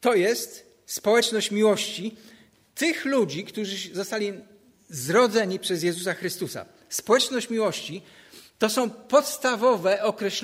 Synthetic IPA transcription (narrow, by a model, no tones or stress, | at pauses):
t̪ɔjɛst̪ | spɔwɛt͡ʂnɔɕt͡ɕmʲiwɔɕt͡ɕi | t̪ɘxlud͡ʑikt̪uʐɘzɔst̪alʲi | zɾɔd̪zɛɲipʂɛzjɛzusaxɾɘst̪usa̰ | spɔwɛt͡ʂnɔɕt͡ɕmʲiwɔɕt͡ɕi | t̪ɔsɔ̃w̃pɔt̪st̪avɔvɛɔkɾɛɕ